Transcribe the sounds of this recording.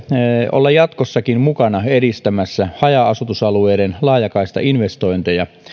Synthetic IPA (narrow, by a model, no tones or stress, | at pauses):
o̰lːɑjjɑt̪kosːɑkinmukɑnɑeɾist̪æmæsːæhɑjɑɑsut̪usɑlueːdenlɑːjɑkɑist̪ɑ̰inʋest̪oint̪ejɑ